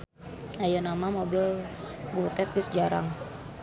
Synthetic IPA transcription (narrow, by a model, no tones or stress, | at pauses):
ajanamamobɪlbut̪ɛt̪̚bisd͡ʒaɾa̰ŋ